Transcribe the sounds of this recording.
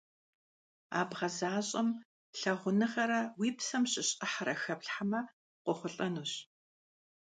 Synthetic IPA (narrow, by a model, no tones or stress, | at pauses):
a̰ːbʁɐzaːɕʼɐm | ɬɐʁʷʊnɨʁɐɾɐwiːpsɐmɕʼɪɕʼɐħɾɐxɐpɬħamɐ | qʷɔχʷʊɬʼɐnuːɕ